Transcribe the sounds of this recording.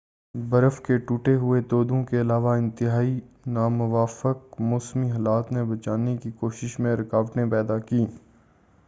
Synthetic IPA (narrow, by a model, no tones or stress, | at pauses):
bɐɾəfkeʈuːʈeɦʊet̪oːd̪õkeɐlaːʋaɪ̃nt̪ɪɦaːinaːmʊʋaːfək̚moːsmiɦɐːlaːt̪nebɐt͡ʃaːnekikoːʃɪʃmẽɾɪkaːʋʈẽpɛːd̪akiː